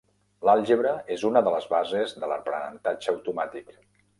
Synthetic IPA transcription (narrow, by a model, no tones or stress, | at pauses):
lalˠʒeβɾəezunəðələzβazezðələ̰rpɾə̰nə̰nt̪ad͡ʒəwt̪umat̪ik